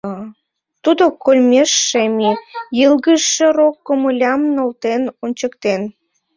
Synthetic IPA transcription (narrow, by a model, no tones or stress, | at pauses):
t̪ud̪okolʲmʲeʃːemijəlɣəʃːĕɾokːoməlʲɑmnolt̪enonʲt͡ɕəkt̪en